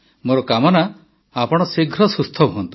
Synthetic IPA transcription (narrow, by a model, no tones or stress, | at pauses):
moɾɔkamɔna | apɔɽ̃ɔsiɡʱɾɔsust̪ʰɔbuɦɔnt̪i̥